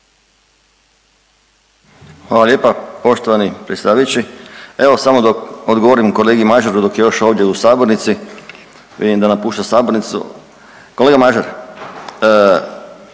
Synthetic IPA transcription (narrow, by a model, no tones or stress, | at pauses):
xʋaːlaljeːpapo̞ʃt̪oʋanipɾetsʲt̪aːʋajut͡ɕieʋo̞samod̪okod̪ɡoʋoɾimko̞leːɡimaʒeɾud̪o̞kje̞jo̞ʃo̞ːʋd̪ʲjeusaːbo̞ɾnit̪si | ʋḭd̪imd̪anapuːʃt̪asaːboɾnit̪sṵ | ko̞leɡamaʒeɾ